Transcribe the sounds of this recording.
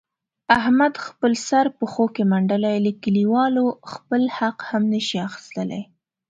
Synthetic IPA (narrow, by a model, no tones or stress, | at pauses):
ahmad̪xpəlsaɾpəxokemaɳɖalajləkəliwɑloxpəlhaqhamnəʃiaxɪ̥st̪əla̰j